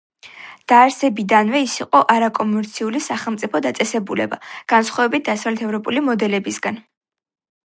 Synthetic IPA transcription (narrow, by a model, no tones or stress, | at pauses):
d̪̥aːɾsɛbid̪anvɛisiqʼɔʔaɾakʼɔmɛɾt̪sʰiulisaχɛlˠmt̪sʼipʰɔd̪at̪sʼɛsɛbulɛba̰ɡ̥ansχwavɛbit̪̚ʰd̪asavlɛt̪ʰɛvɾɔpʼulimɔd̪ɛlɛbisɡan